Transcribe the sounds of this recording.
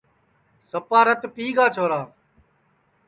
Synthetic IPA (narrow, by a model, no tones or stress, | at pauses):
səpaːɾət̪piːɡaːt͡ʃʰoːɾaː